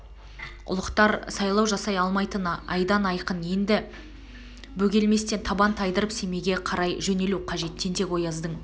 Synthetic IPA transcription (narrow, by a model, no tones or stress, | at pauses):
ʊ̰lˠəqt̪ɑɾsɑjlˠɑwʒɑsɑjɑlˠmɑjt̪ənɑɑjd̪ɑnɑjqənje̞nd̪ɪ | bɵɡʲe̞lme̞st̪e̞nt̪ʰɑbɑnt̪ʰɑjd̪əɾəpse̞me̞ɡʲe̞qʰɑɾɑjʒɵne̞luwqʰɑʒe̞t̪ːe̞nt̪e̞kwo̞jɑzd̪əɴ